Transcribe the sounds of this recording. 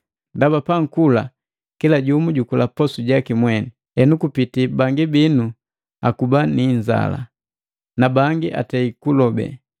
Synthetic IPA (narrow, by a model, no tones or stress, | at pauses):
ndabapaŋ̩kula | kilaɟumuɟukulapɔsuɟakimwɛni | ɛnukupitibaŋɡibinu | akubaniɲza̰la̰ | nabaŋɡiʔa̰tɛikulɔbɛ̰